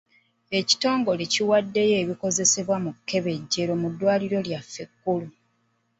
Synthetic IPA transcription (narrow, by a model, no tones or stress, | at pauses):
e̞ci̥to̞ːŋɡo̞leciwadːe̞je̞ːβiko̞ze̞se̞βwamukːe̞βe̞ɟːe̞ɾomudːwaːliɾo̞ljafːe̞kːulu